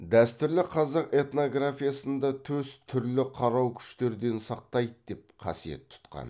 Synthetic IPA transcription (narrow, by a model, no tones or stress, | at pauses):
d̪æst̪ʏɾlɪqʰɑzɑqe̞t̪no̞ɡrafijasənd̪ɑt̪ʰɵzt̪ʰʏɾlɪqʰɑɾɑwkʲʰʏ̥ʃt̪e̞ɾd̪e̞nsɑq̚t̪ɑjd̪əd̪e̞p̚qʰɑ̰sije̞̰t̪ʰːʊ̥t̪qɑ̰n